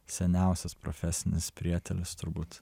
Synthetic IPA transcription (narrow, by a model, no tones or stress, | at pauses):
sʲɛnʲæˑʊsʲɛspɾɔ̰fʲɛsʲɪnʲɪspʲɾʲiɛt̪ʲɛlʲɪst̪ʊɾbuːt̪